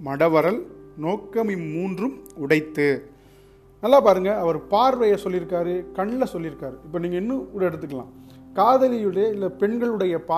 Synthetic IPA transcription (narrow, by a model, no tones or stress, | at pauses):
mɐɽɐʋɐɾɐlnoːkːɐmimuːndrɯmʊɽɐɪt̪ːɯ | nɐlːaːpaːɾɯŋɡɐɐʋɐɾpaːɾʋɐjɐsɔlːɪɾɯkːaːɾɯkɐɳɪlɐsɔlːɪɾɯkːaːɾɯɪpːɐːniːŋɡɐɛnːɯʊɽɛɽɯt̪ːɯkːɐlã̰ːkaːðɐlɪjɯɽɐjɐɪlːɐpɛɳɡɐɭɯɽɐjɐpaː